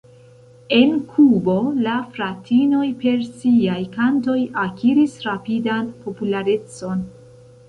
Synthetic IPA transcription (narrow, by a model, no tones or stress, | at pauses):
e̞nkʰubo̞lafɾatʰino̞jpe̞ɾsiajkanto̞jakiɾisɾapidanpʰo̞pulaɾe̞t͡so̞n